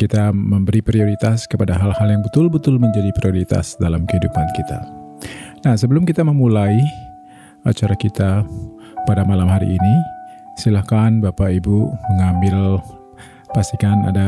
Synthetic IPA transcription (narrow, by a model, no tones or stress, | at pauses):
kit̪aməmbəɾipɾioɾit̪askəpadaɦalhaljaŋbət̪ʊlbət̪ʊlməɲd͡ʒadipɾioɾit̪a̰sdalamkəɦidupankit̪ʰa̰ | nahsəbəlʊmkit̪aməmulai | a̰t͡ʃaɾakit̪a | padamalamhaɾḭʔːnisilahkanbapaibuməŋambɪl | past̪ikana̰da